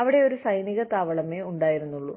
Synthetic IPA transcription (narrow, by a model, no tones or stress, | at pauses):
ɐʋiɽe̞o̞ɾusɐjniɣɐt̪aːʋɐɭɐmeuɳɖaːjiɾunːuɭːu